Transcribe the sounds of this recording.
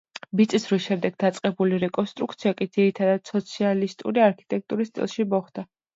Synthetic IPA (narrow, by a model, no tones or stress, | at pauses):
bit̪sʼisɾwiʃɛmd̪ɛɡ̚d̪at̪sʼqʼɛbuliɾɛkʼɔnst̪ʼɾuk̚ʰt̪sʰiakʼid̪ziɾit̪ʰad̪ad̪̥sɔt̪sʰialist̪ʼṵɾiaɾkʰi̥t̪ʼɛk̚ʰt̪ʼuɾist̪ʼḭlˠʃimɔχd̪̥a